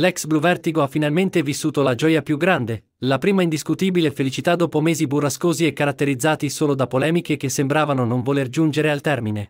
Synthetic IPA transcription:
lɛksbluvɛrt̪iɡoafːinalment̪evisːuːt̪olad͡ʒɔːjapjuɡɾand̪e | lapɾiːmaind̪iskut̪iːbilefelit͡ʃit̪ad̪ːɔːpomeːziburːaskoːziɛkːaɾat̪ːeɾid̪zːaːt̪isoːlod̪apːolɛːmikek̟esːembɾaːvanonoɱvolerd͡ʒund͡ʒeɾealt̪ɛrmine

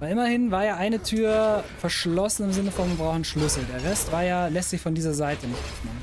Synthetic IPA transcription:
vaɪʔɪmɐhɪnvaːɐjaːʔaɪnətʰyːɐfɛɐʃlɔsn̩ɪmzɪnəfɔnvɐbʁaʊxn̩ʃlʏsl̩deːɐʁɛstv̥aːɐjaːlɛstz̥ɪçfɔndiːzɐzaɪtənɪçtmɪ

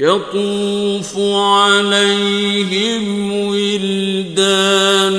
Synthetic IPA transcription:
jɑt̪ˤuːfʊʕalajɦɪmwɪld̪aːn

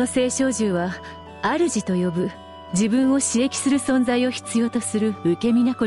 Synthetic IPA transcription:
ose̞ːɕo̞ːʑɨːβa | aɾɯ̟ʑit̪o̞jo̞bɯ̟ | d͡ʑibɯ̟̃ɰ̃o̞ɕiɾe̞kʲi̥sɨɾɯ̟sõ̞nd͡zaio̞çi̥t͡sɨjo̞ːt̪o̞sɨɾɯ̟ɯke̞mʲinako

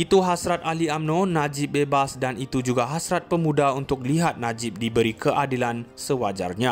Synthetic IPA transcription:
it̪uɦasɾat̪̚aliamnõnad͡ʒɪp̚bebasdanit̪ud͡ʒuɡaɦasɾat̪̚pəmũdaunt̪ʊk̚liɦat̪̚nãd͡ʒɪp̚dibəɾikəʔadilansəwad͡ʒa̰rɲã

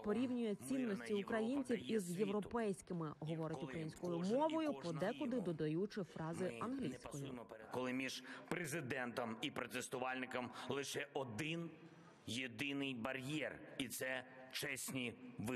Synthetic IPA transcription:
pɔɾʲiwnʲʊjɛt͡sʲinːɔsʲtʲiʊkɾɐjinʲt͡sʲiwizjewɾɔpɛjsʲkɪmɪɦɔʋɔɾʲɐtkʲʊkɾɐjinʲsʲkɔjʊmɔʋɔjʊpɔd̪ɛkʊd̪ɪd̪ɔd̪ɐjut͡ʃɪfɾɑzɪɐnɦlʲijsʲkɔjʊkɔlˠɪmʲiʒpɾezɪd̪ɛnt̪ɔmipɾɔt̪est̪ʊʋɑlʲnɪkɐmlˠɪʃɛʔɔd̪ɪn | jed̪ɪnɪjbɐɾʲjɛrit̪sɛt͡ʃɛsʲnʲiʋɪ

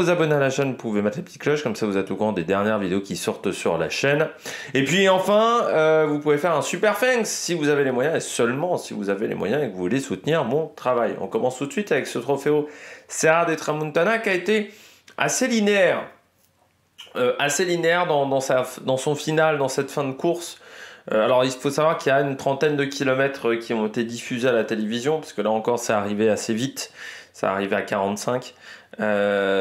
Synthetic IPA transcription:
uzabɔnealaʃɛnpuvemɛt̪lepət̪i̥t̪̚klɔʃkɔmsavuzɛt̪okuʁɑ̃d̪ed̪ɛʁnjɛʁvid̪eokʲisɔʁt̪sy̰ʁla̰ʃɛnepɥiɑ̃fɛ̃øvupuvefɛʁɛ̃sypɛʁfɛnksːivuzavelemwajɛ̃esœlmɑ̃sḭvuzavelḛmwa̰jɛ̃ekvuvulesut̪niʁmɔ̃t̪χavajɔ̰̃kɔmɑ̃st̪ut̪sɥit̪avɛksət̪χɔfeoseʁad̪et̪χamũnt̪anakʲaet̪e | a̰selineɛʁ | øʔaselineɛʁd̪ɑ̃d̪ɑ̃sad̪ɑ̃sɔ̃finald̪ɑ̃sɛt̪fɛ̃d̪əkuʁsøalɔʁilfosavwaʁkiljaynt̪χɑ̃t̪ɛnd̪əkʲilɔmɛt̪χəkʲiɔ̃et̪ed̪ifyzealat̪elevizjɔ̃paskəlaɑ̃kɔʁsɛaʁiveasevit̪sa̰ːʁiveakaʁɑ̃t̪sɛ̃kø

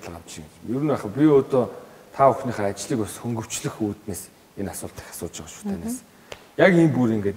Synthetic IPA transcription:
t̪ɮə̆ʁam̥t͡ɕʃiŋɡemjɵɾɘ̆npæːχə̆pʲiot̪oːt̪ʰaɵxniːχaːat͡ɕɮiːkʊsxɵŋɡɵ̆w̥t͡ɕɮɘ̆xuːt̪neːs | enasʊːɮt̪i̥xḁsʊːt̪t͡ɕĭŋɢɔʃʊ̥t̪ʰæːneːs | jakimpuɾiŋɡeːt̪

